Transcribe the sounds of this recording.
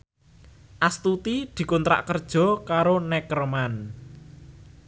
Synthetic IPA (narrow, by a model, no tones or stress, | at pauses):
ʔast̪ut̪id̪̥i̤kont̪ɾa̰ʔkərd̥ʒ̥ɔ̤kaɾonɛkərman